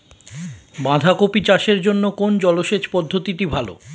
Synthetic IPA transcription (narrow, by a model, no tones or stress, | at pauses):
bãd̪ʱakopit͡ɕaʃeɾd͡ʑonːokond͡ʑɔloʃet͡ɕpɔd̪ʱːot̪iʈibʱalo̰